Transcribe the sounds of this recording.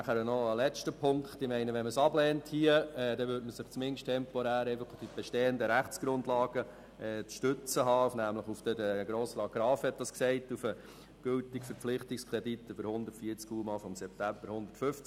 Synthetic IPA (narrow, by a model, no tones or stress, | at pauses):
næχæɾənɔəlɛt͡ʃtəpʰʊŋkχtɪmɛɪnəʋɛnməsɑblɛːnthiəɛd̥ɛʋʏdməsɪχt͡smɪnʃtʰɛmpɔɾæːɾɛɪfəχd̥ib̥ɛʃteːəndəɾæχt͡sɡ̥ɾʊndlɑːɡ̥ə | ɛt͡sʃtʏt͡səɦɑːufnæmləχufd̥əɾəɡ̥ɾoːsəlɑɡ̥ɾɑːfhɛt̚d̥ɑsksɛɪtufə | ɡ̥øltɪkfəɾflɪχtɪkskɾɛditːəfəɾhʊnd̪ətfiət͡skuːmɑfɔmsɛp̚t̪æmb̥əɾhʊnd̪ə̥tfʏft͡s